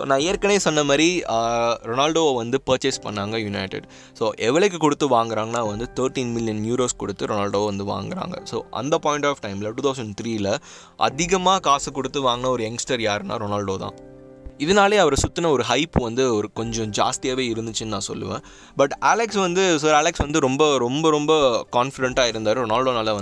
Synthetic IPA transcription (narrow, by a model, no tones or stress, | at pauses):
o̰ːnãːeːɾkɐneːsɔnːɐmaːd̪ɾi | ɾɔnaːlɖoːʋɐnd̪ɯpɐːɾt͡ʃɛɪspɐ̰ɳːaːŋɡɐjʊnɐɪʈɪ̰ɖ | soːʔɛʋɐɭɛk̬ːɯkɔɽɯt̪ːɯʋaːŋɡɪɾaːŋɡɐnːaːʋɐnd̪ɯt̪ɐːɾʈĩːnmɪlɪjɐnːjuːɾoːskɔɽɯt̪ːɯɾɔnaːlɖoːʋɐnd̪ɯʋa̰ːŋɡɪɾa̰ːŋɡɐ̰soːʔɐ̰nd̪ɐpɔːɪɳʈaːfʈɐɪmlɐʈuːt̪ʰɐʊs̬ɐ̃ɳɖt̪ɾiːlɐ | ʔɐ̰ðɪɣɐmaːkaːsɐkːɔɽɯt̪ːɯʋaːŋɡɐnaːɔɾɯɛŋsʈɐɾjaːɾnʔa̰ːɾɔnaːlɖoːt̪ã̰ː | ɪðɐnaːleːɐʋɐɾɐsʊt̪ːɪnɐɔɾɯɦɐɪpːʋɐnd̪ɯɔɾɯkɔɲd͡ʒɔ̃d͡ʒa̰ːst̪ɪjaːʋeːɪɾɯnd̪ɯt͡ʃːɯnnãːsɔ̰lːɯ̰ʋḛ̃ː | bɐʈːaːlɛksʋɐnd̪ɯsoːaːlɛksʋɐnd̪ɯɾɔmbɐɾɔmbɐɾɔmbɐkaːnfɪɖɛɳʈaːɪɾɯnd̪aːɾɯ̃ɾɔnaːlɖoːnɐlːɐʋɐ